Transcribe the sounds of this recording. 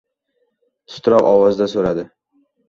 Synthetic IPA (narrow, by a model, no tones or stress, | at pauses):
t̪ʰʊ̥st̪ʰɾɒqɒwɒzd̪asoɾad̪ɪ